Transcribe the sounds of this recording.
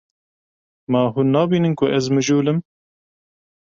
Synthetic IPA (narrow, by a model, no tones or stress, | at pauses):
mɑːɦuːnːɑːbiːnɨnkʰʊʔɛzmɨʒuːlɨm